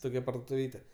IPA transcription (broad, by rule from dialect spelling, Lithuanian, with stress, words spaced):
ˈtoːkʲɛ pɐrdoːtʊˈʋʲiːtʲɛ